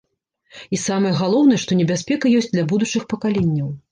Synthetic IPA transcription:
isamɐjɐɣalˠɔwn̪ɨjɛʂt̪ɔnʲɛbʲasʲpʲɛkɐjɔsʲt͡sʲd̪lʲabud̪ut͡ʂɨxpɐkalʲɛnʲːɐw

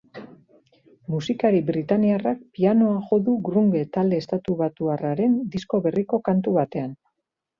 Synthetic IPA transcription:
musikaɾibɾit̪aniarak̚piano̞axo̞ðuɡɾuŋɡe̞t̪ald̪e̞ːst̪at̪uβat̪uaraɾe̞nd̪isko̞βe̞riko̞kant̪uβat̪e̞an

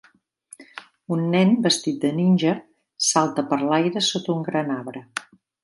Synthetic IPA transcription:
unːɛnbəst̪it̪̚d̪əninʲʒə | salˠt̪əpəɾlajɾəsot̪uŋɡɾanaβɾə

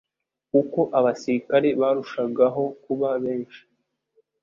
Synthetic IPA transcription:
kuko̞ʔaβasiɾikaɾe̞βaːɾuʃaɡaɦo̞kuβaβe̞ːnʃi̥

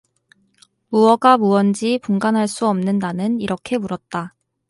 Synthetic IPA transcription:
muwʌɡamuwʌnd͡ʑipuŋɡanɦaɭs͈uʌmnɯndanɯniɾʌkʰe̞muɾʌt̚t͈a

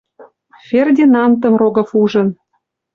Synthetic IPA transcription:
fʲerd̪ʲinɑmt̪ɤ̆mroɡɤ̆fuʒɤ̆n

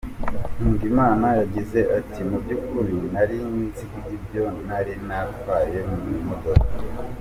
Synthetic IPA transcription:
n̥uːŋɡimaːnajaɟize̞ʔatʰimubɟukuɾinaɾiinzikuɟibjo̞naɾinavaːje̞mumimodoko

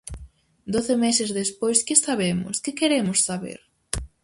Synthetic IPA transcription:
d̪oθɪmesɪzðespojskɪsaβemʊ̰skɪkeɾemʊsːaβḛɾ

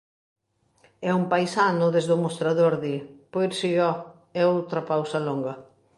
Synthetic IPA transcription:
ɛumpajsanʊðezðʊmost̪ɾaðoɾðipoɾsijɔ | ɛowt̪ɾɐpawsɐloŋɡɐ

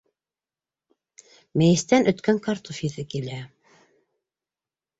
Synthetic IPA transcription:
mæjɘ̆st̪ænʔɵ̆t̪kæŋkɑɾt̪ofiðɘkilæ

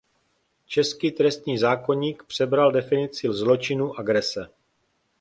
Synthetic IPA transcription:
t͡ʃɛskiːt̪ɾɛst̪ɲiːzaːko̞ɲiːkpr̥ɛbɾaldɛfɪnɪt͡sɪzlo̞t͡ʃɪnuːʔaɡɾɛsɛ

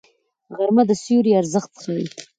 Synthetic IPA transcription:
ɣaɾmad̪əsjuɾiaɾzəxt̪xawi

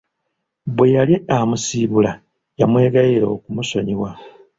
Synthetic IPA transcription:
βwe̞jaljeamusiːβula | jamwe̞ːɡajiɾo̞ːkumuso̞ɲiwa

